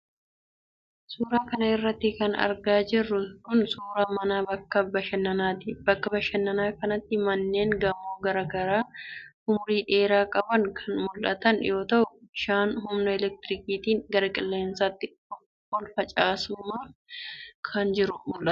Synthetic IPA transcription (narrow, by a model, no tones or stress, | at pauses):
suːɾaːkɐnɐɪrːɐt̪ːɪkɐnɐ̰ɾɡaːd͡ʒɪrːʊkʊnsuːɾaːmɐnaːbɐkːɐbɐʃɛnːɐnaːt̪ɪbɐkːɐbɐʃɐnːɐnaːkɐnɐt̪ːɪmɐnːe̞ːŋɡɐmːoːɡɐɾɐɡɐɾaː | ʊmʊɾiːᶑe̞ːɾaːkʼɐbɐŋkʰɐnmʊlʔɐ̰t̪ɐnjo̞ːt̪ɐʔʊɪʃaːnɦʊmnɐɛlɛk̚t̪ɪɾɪkiːt̪iːŋɡɐɾɐkʼɪlːe̞ːnsaːt̪ːɪt̪ɔkː | ɔlfɐt͡ʃʼaːsuːmɐ | kʰɐnd͡ʒɪɾʊmʊlʔɐt̪